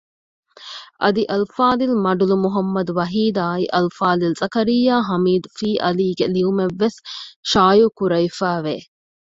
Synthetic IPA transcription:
ʔɐd̪iʔɐlfaːd̪ilmɐɖulumuɦɐmːɐd̪uʋɐɦiːd̪aːiʔɐlfaːlilzʼɐkɐɾijːaːɦɐmiːd̪ufiːʔɐliːɡeliumeʋːesʃaːjukuɾɐifæːʋeː

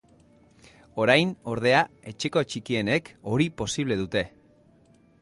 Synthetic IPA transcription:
o̞ɾajno̞ɾð̞e̞ae̞t͡ʃe̞ko̞t͡ʃikie̞ne̞ko̞ɾipo̞siβle̞ðut̪e̞

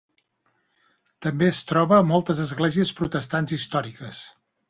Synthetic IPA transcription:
t̪əmbeəst̪ɾɔβəːmɔlˠt̪əzəzɣlɛziəspɾut̪əst̪anzist̪ɔɾikəs

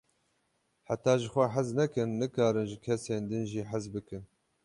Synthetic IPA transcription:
ħat̪ɑːʒɨxʷɛħaznɛkɨnːɨkɑːɾɨnʒɨkʰɛseːnd̪ɨnʒiːħɪzbɨkɨn

